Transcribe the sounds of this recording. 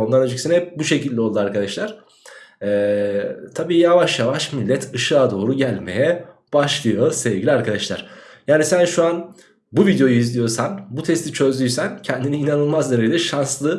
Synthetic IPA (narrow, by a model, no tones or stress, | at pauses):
o̞nd̪anad͡ʒicsinɛbuʃe̞cilʲːio̞lˠd̪uaɾkʰad̪aʃlˠaɾ̥ | ɛːt̪ʰabiːjavaʃjavaʃmilʲːɛt̪ʰɯʃɯad̪o̞ːɾuɟælʲme̞̰jɛ | b̥aʃlˠɯjo̞sɛvɟilʲiaɾkʰad̪aʃlˠa̰ɾ̥jaːnisænʃuan | buvid̪jo̞juizlʲijo̞ɾsanbut̪ʰɛst̪ʰit͡ʃʰø̞zlʲyjsæncʰɛnd̪iniːnanɯlˠmazd̪eɾejilʲɛʃanslˠɯ